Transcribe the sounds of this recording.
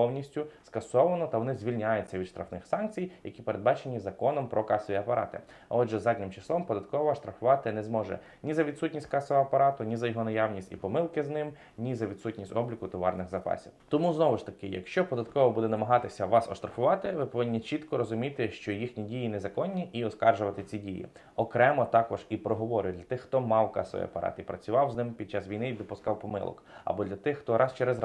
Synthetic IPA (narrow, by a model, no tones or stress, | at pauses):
pɔwnʲisʲtʲʊskɐsɔʋɐnɔt̪ɐʋɔnɪzʲʋʲilʲnʲajʊtʲt͡sʲːɐʋʲid̪ʃt̪ɾʔɐfnɪxsɑnk̚t͡sʲijjɐkʲipeɾed̪̚bɑt͡ʃenʲːizɐkɔnɔmpɾɔkɑsɔʋʲiɐpɐɾʔɑ̰t̪ɪ̰ | ɔdʒɛzɑdʲnʲɪmt͡ʃɪ̥slˠɔmpɔd̪ɐt̪̚kɔʋɔːʃt̪ɾɐxʊʋɑt̪ɪnɛzmɔʒɛ̰ | nʲizɐʋʲidt̪sutʲnʲisʲtʲkɑsɔɦɔɐpɐɾɑt̪ʊnʲizɐjɔɦɔnɐjawnʲisʲtʲḭpɔmɪlˠkɪznɪm | nʲizɐʋʲid̪sutʲnʲisʲtʲɔblʲikʊt̪ɔʋɑ̰rnɪɣzɐpɑ̰sʲḭwt̪ɔmuznɔʋɪʃt̪ɐkɪjɐ̰kʃt͡ʃɔpɔd̪ɐt̪kɔʋɔbud̪ɛnɐmɐɦɑt̪ɪsʲɐʋɑsɔʃt̪ɾɐxʊʋɑt̪ɪʋɪpɔʋɪnʲːit͡ʃit̪kɔɾɔzʊmʲit̪ɪʃt͡ʃɔjixnʲidʲijinɛzɐkɔnʲːiʔiɔskɑrʒʊʋɐt̪ɪt͡sʲidʲijḭ | ɔkɾɛmɔt̪ɑkɔʒipɾɔɦɔʋɔɾʲʊjd̪lʲɐt̪ɪxːt̪ɔmɑwkɑ̰sɔ̰ʋḭɐ̰pɐɾɑ̰t̪ipɾɐt͡sʲʊʋɑwznɪmpʲid̚t͡ʃːasʋʲijnɪd̪ɔpʊskɑwpɔmɪ̰lˠɔ̰kɐ̰bɔd̪lʲɐt̪ɪxːt̪ɔɾʔɑst͡ʃɛɾez